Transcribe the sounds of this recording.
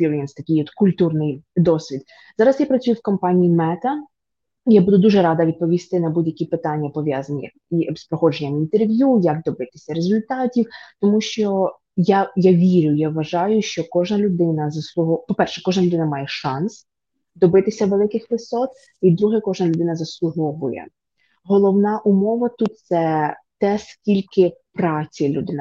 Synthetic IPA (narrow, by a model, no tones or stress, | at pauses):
iljinst̪ɐkʲɪjɔt̪kʊlʲt̪urnɪjd̪ɔsʲʋʲid̪ | zɑɾɐsjapɾɐt͡sʲujʊwkɔmpɑnʲiimɛt̪ɐ | ijabud̪ʊd̪uʒɛɾɑd̪ɐʋʲid̪̚pɔʋʲist̪ɪnɐbudʲjɐkʲipɪt̪ɑnʲːɐpɔʋʲjazɐnʲɐ̰ | ispɾɔxɔd͡ʒenʲɐmint̪erʋʲjujɐɡ̚d̪ɔbɪt̪ɪ̥sʲɐɾezʊlʲt̪ɑtʲiwt̪ɔmuʃt͡ʃɔ | jajaʋʲiɾʲʊjaʋːɐʒɑjʊʃt͡ʃɔkɔʒnɐlʲʊd̪ɪnɐzɐslˠʊɦɔpɔpɛrʃɛkɔʒnɐlʲʊd̪ɪnɐmɑjɛʃɑns | d̪ɔbɪt̪ɪsʲɐʋelˠɪkɪxʋɪsɔt̪̚ | id̪ɾuɦɛkɔʒnɐlʲʊd̪ɪnɐzɐslˠʊɦɔʋʊjɛ̰ | ɦɔlˠɔwnɑʔumɔʋɐt̪ut̪̚t̪sɛt̪ɛskʲilʲkɪpɾɑt͡sʲilʲud̪ɪn